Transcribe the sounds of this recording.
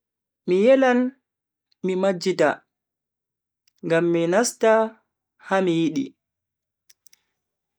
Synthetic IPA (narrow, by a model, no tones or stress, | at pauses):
mijɛlan | mimad͡ʒːita̰ | ŋɡamːinasta | hamijiɗḭ